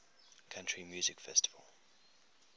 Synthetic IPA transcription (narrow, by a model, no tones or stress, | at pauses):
kʰãntʰɹ̥imjuːzɪkfɛstɪvə̰l